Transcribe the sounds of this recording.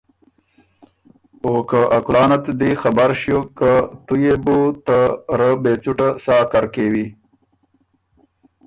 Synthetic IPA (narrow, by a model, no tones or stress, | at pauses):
okəʔakulɑːnat̪d̪ixabaɾʃjokat̪ujebut̪aɾəbet͡suʈasɑːkaɾkewi